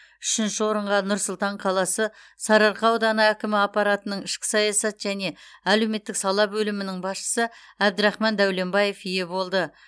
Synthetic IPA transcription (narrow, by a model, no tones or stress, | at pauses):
ʏʃɪnʃɪwo̞ɾəɴʁɑnʊɾsʊlˠt̪ɑɴqʰɑlˠɑsə | sɑɾɑɾqɑwd̪ɑnɑækʲɪmɪɑpɑɾɑt̪ənəɴɪʃkʲɪ̥sɑjɑsɑt̪ʒ̥æne̞æle̞wme̞t̪ːɪksɑlˠɑbɵlɪmɪnɪŋbɑsʃə̥sə | æb̚d̪ɪɾɑχmɑnd̪æwle̞mbɑje̞fijebo̞lˠd̪ə